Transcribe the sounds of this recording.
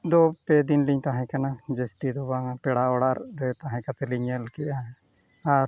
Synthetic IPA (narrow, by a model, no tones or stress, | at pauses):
d̪ɔpɛd̪inliɲt̪aɦɛ̃kanad͡ʒɛst̪id̪ɔbaŋapɛɽaɔɽaɾɾɛt̪aɦɛ̃kapɛliɲəlkɛja | aɾ